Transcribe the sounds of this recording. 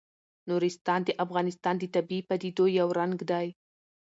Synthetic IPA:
nuɾɪst̪ɑnd̪əʔafɣɑnɪst̪ɑnd̪ət̪abipad̪id̪ojawɾaŋɡd̪aj

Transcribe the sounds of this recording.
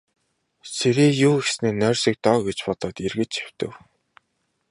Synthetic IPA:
sʰeɾeːjuːɡesneːnœːrʲsĭk̚t̪ɔːɡet͡ɕpɔt̪ɔːt̪erɣɘ̆t͡ɕe̥w̥t̪ɘ̰̆w

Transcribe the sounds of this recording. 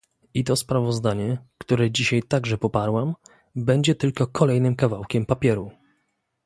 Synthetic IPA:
it̪ɔspɾavɔzd̪aɲɛkt̪uɾɛd͡ʑiɕajt̪aɡʐɛpɔpaɾwam | bɛɲd͡ʑɛt̪ɘlkɔkʰɔlɛjnɘmkavawkʲɛmpapʲjɛɾu

